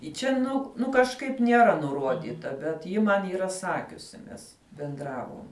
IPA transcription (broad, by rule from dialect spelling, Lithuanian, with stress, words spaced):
ɪ ˈt͡ʃʲɛ ˈnʊ ˈnʊ kɐʃˈkɐɪp nʲiɛˈrɐ nʊˈruɔdʲɪtɐ bʲɛt ˈjɪ ˈmɐn iːˈrɐ ˈsɑːkʲʊsʲɪ ˈnʲɛs bʲɛnˈdrɑːʋoːm